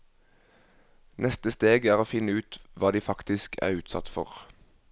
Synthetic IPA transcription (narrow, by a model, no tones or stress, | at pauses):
nɛst̪əst̪eːɡæːʁoːfɪnəʉːt̪ʋɑːd̪iːfɑkt̪ɪskʰæ̰ːʁʉːt̪sɑ̰t̪fɔ̰ʁ